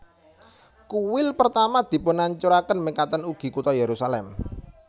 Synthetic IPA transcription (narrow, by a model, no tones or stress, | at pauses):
kuwɪlpərt̪amad̪̥i̤pʊnaɲt͡ʃuɾakənmikat̪ənuɡ̥i̤kut̪ɔjeɾusalɛm